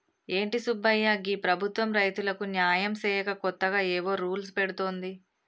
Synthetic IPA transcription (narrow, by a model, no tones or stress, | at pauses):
e̞ːɳʈisubːɐjːaːɡiːpɾɐbʱut̪ʋɐmɾɐjt̪ulɐkunjaːjɐmsɛːjɐkɐkɔt̪ːɐɡaːeːʋo̞ːɾuːlspeɽut̪oːnd̪i